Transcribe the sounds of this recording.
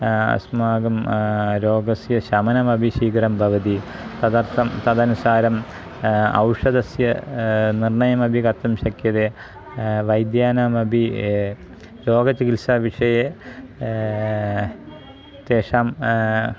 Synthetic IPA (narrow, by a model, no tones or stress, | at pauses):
ɐ̰smaːɡɐmɾoːɡɐsjɐɕɐmɐnɐmɐbʱiɕiːkɐɾɐmbʱɐʋɐd̪it̪ɐd̪ɐrt̪ɐmt̪ɐd̪ɐnusaːɾɐm | ɐ̰wʂɐd̪ɐsjɐnirɳɐjɐmɐbʱikɐt̪ːɐmɕɐkjɐðe | ʋɐjd̪jaːnaːmɐbʱi | ɾoːɡɐt͡ɕːikilsaʋiʂɐje | t̪eːʂaːm